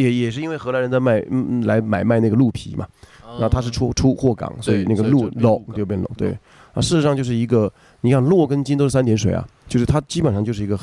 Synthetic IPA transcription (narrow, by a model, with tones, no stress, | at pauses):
jɛ˨˥jɛ˨˩ʂ̬ɻ̩˥˧i˥nwe˥˩ɪxɤ˧˥la˧˥ə˧˥nt͡sa˥˧ɪma˥˩ɪla˧˥ɪma˨˩ɪma˥˧ɪn˥˩ɡə˩lu˥˩pʰḭ˧˥mɐ̰˧ɻa˧˥xt̪ʰa˥ʂ̬ɻ̩˥˩ʈ͡ʂʰu˥˧ʈ͡ʂʰu˥xwɔ˥˩kɑ̰˨˩˦ŋswɔ˧˥i˨˩na˥˩ɡə˩lu˥˧lo˨˩ʊo˥˩˧jpjɛ˥˩nlo̰˧˩˦t̪we˥˩ɪ | na̰˥˩ʂɻ̩˥˩˧ʂɑ˥˧t͡ɕjʂ̬ɻ̩˥˩i˧˥ɡə˧ | ni˨˩kʰa˥˧nlwɔ˥˩kə˥nt͡ɕi˥nt̪o˥ʂɻ̩˥˩sa˥nt̪jɛ˧˥nʂwe˨˩ɪɐ̰˦t͡ɕjo˥˧ʂɻ̩˥˩t̪ʰa˥t͡ɕi˥pə˨˩nʂɑ˥˧ŋt͡ɕo˥˧ʂɻ̩˥˩˧ɡə˧